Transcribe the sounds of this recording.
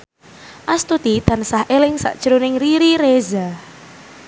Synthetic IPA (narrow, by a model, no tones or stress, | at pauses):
ʔast̪ut̪it̪ansahʔelɪŋsa̰ʔd̥ʒ̥əɾunɪŋriɾireza